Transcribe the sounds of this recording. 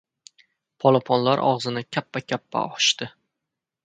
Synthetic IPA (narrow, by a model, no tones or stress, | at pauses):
pʰɒlˠɒpʰɒnlaɾʔɒ̰ʁzɪnɪkʲʰapːakʲʰapːa̰ɒʃt̪ɪ